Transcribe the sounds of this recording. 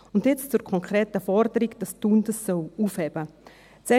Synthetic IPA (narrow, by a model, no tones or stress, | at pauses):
ʊndjɪt͡st͡suɾkʰɔŋkʰɾeːtəfɔrdəɾiɡd̥ɑstundəsːœluːfhɛb̥ə | t͡sɛ